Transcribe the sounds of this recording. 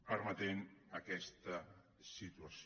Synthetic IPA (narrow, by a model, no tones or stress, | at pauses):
pəɾmat̪enakɛst̪a | sit̪uas